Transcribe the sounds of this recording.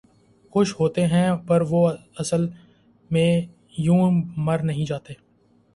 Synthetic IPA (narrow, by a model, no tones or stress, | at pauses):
xʊʃɦoːt̪eɦɛ̃pɐɾʋoːɐsəl | mẽ | jũːməɾnɐɦĩd͡ʒaːt̪eː